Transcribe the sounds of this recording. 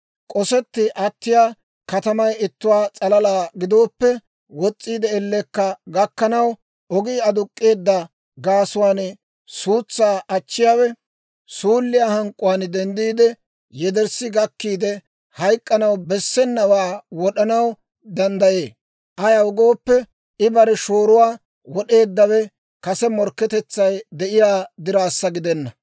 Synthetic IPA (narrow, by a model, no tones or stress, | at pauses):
kʼɔsɛt̪ːɪʔɐt̪ːɪjaː | kɐt̪ɐmɐjɪt̪ːʊwaːt͡sʼɐlɐlaːɡɪd̪o̞ːpːɛ | wɔt͡sʼːiːd̪ɛɛlːɛkːɐɡɐkːɐnɐw | ʔɔɡiːɐd̪ʊkʼːe̞ːd̪ːɐ | ɡaːsʊwaːn | suːt͡sːaːʔɐt͡ʃːɪjaːwɛ | suːlːɪjaːhɐŋkʼʊwaːnd̪ɛnd̪iːd̪ɛ | jɛd̪ɛɾsɪɡɐkːiːd̪ɛ | hɐjkʼːɐnɐwbɛsːɛnːɐwaːwɔɗɐnɐw | d̪ɐnd̪ɐjeː | ʔɐjɐwʊɡo̞ːpːɛ | ɪbɐɾɛʃoːɾʊwaː | wɔɗe̞ːd̪ːɐwɛ | kɐsɛmɔɾkːɛt̪ɛt͡sːɐjd̪ɛʔɪjaːd̪ɪɾaːsːɐɡɪd̪ɛnːɐ